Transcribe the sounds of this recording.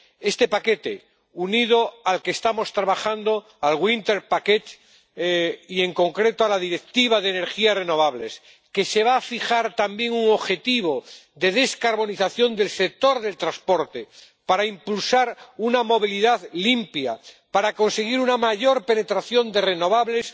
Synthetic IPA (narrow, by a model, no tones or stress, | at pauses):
e̞st̪e̞pake̞t̪e | uniðo̞alkeːst̪amo̞st̪ɾaβaxand̪o̞ | alɣwint̪e̞ɾpaket̪ | ie̞ŋko̞ŋkɾe̞t̪oalaðiɾe̞k̚t̪iβ̞aðeːne̞ɾxiasre̞no̞βaβle̞s | ke̞se̞βaːfixaɾt̪ambje̞ŋuŋo̞βxe̞t̪iβ̞o̞ | d̪e̞ð̞e̞skaɾβo̞niθaθjo̞nd̪e̞lse̞k̚t̪o̞ɾðe̞lt̪ɾaspo̞ɾt̪e̞ | paɾaimpulsaɾunamo̞β̞iliðaðlimpja̰ | paɾako̞nse̞ɣ̞iɾunamaʝo̞ɾpe̞ne̞t̪ɾaθjo̞nd̪e̞re̞no̞βaβle̞s